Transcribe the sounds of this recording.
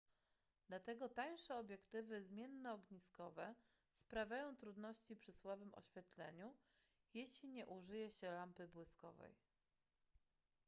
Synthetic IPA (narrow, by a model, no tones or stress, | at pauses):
d̪̥lat̪ɛɡɔt̪aj̃ʂɛɔbʲjɛkt̪ɘvɘzmʲjɛnːɔːɡɲiskɔvɛ | spɾavʲjajɔ̃w̃t̪ɾud̪nɔɕt͡ɕipʂɘswabɘmɔ̰ɕfʲjɛt̪lɛɲu | jeɕlʲiɲɛʔuʐɘjɛɕɛlampɘbwɘskɔ̰vɛ̰j